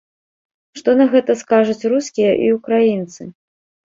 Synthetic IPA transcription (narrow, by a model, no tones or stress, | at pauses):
ʂt̪ɔnɐɣɛt̪ɐskaʐut͡sʲruskʲijɐʔḭukɾajint̪sɨ